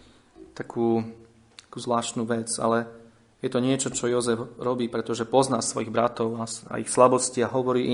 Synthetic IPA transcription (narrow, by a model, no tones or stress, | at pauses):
t̪akʰuː | akuːzʋlaːʃt̪nuːʋɛd͡za̰lɛ | jɛt̪ɔɲɪɛt͡ʃɔt͡ʃɔjɔzɛfɾɔbiːpɾɛt̪ɔʒɛpɔznaːsʋɔjiɣbɾat̪ɔʊaa̰ixslabɔsciaɦɔʋɔɾiːi